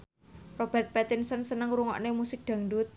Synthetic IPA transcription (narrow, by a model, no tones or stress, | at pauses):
rob̥ɛrt̪̚pɛt̪ɪnsənsənəŋɾuŋɔ̰ʔnemusɪk̚d̪̥ä̤ŋɖʊt̪̚